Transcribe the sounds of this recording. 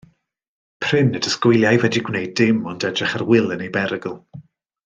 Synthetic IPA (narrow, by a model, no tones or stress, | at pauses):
pʰr̥ɪnədəskwɪjlˠjajvɛdiɡwnejdɪmɔndɛdrɪχarwɪlˠənejbɛɾəɡəlˠ